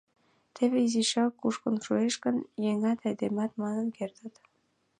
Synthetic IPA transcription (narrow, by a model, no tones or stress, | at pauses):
t̪ʰeβeiziʃɑkːuʃkənʃueʃkənjeŋɑt̪ɑjd̪emɑt̪mɑnənkert̪ət̪